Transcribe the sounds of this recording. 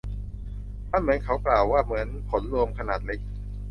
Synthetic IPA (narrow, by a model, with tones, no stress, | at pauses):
mʰaː˥˩nmɯ˩˦ənkʰa˦˥wklaː˨˩wːaː˥˩mɯ˩˦ənpʰo˩˦nɾu˧əmkʰa˧naː˨˩t̪̚le˦˥k̚